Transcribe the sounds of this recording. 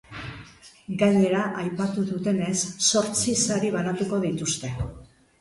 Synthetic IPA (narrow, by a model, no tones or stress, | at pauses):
ɡaɲe̞ɾaʔajpat̪uðut̪e̞ne̞sːo̞ɾt͡sisaɾiβ̞anat̪uko̞ðit̪ust̪e̞